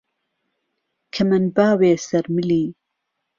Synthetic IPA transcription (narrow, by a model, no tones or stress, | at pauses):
kʰɐmɐnbaːweːsɐɾmɨliː